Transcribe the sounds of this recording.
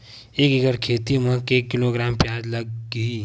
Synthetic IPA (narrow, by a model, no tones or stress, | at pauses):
eːkiɡəɾkʰeːt̪imə̃keːkːɪloːɡɾaːmpjaːd͡ʒlɐɡɐiː